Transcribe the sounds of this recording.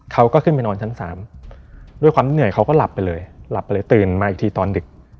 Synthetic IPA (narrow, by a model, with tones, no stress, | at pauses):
kʰa˦˥wkɔː˥˩kʰɯ˥˩npa˧nɔː˧nt͡ɕʰa˦˥nsaː˩˦m | du˥˩jkʰwaː˧m˦˥nɯ˨˩əjkʰa˦˥wkɔː˥˩la˨˩pːa˧jlɤː˧jla˨˩pːa˧jlɤː˧jt̪ɯː˨˩nmaː˧ʔi˨˩k̚tʰiː˧t̪ɔː˧ndɯ˨˩k̚